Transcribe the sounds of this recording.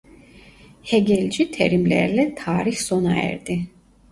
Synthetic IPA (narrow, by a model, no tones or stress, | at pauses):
hɛɡʲɛlʲd͡ʒit̪ʰɛ̰ɾimlɛ̰ɾlɛt̪ʰaːɾiçsonaɛ̰ɾd̪i